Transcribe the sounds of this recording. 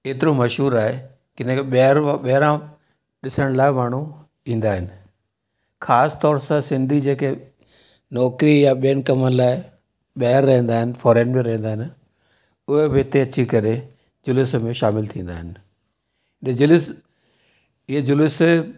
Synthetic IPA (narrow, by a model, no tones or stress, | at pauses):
keːt̪ɪɾomɐʃɦuːɾaːɦe | kɪn̤ekɓɐɾãɓɐɦɪɾã | ɗɪsəɽ̃laːɪmaːɳ̤u | ĩːn̆d̪aːɦɪnɪ̆ | xʰaːst̪ɔːɾsãsɪ̃nd̪ʱid͡ʑeːke | nɔːkɾijãɓijənkɐmənɪlaːɪ | ɓɐɦɾːɐɦẽːnd̪aːɦɪnɪ̆fɔːɾeənbẽɾɐɦẽn̆d̪aːɦɪnɪ | ʊɦebeːt̪eɐt͡ɕikɐɾe | d͡ʑʊlɪsmẽʃaːmɪlt̪ʰĩːn̆d̪aːɦɪnɪ̆ | ed͡ʑʊlɪs | ɪɦed͡ʑʊlɪs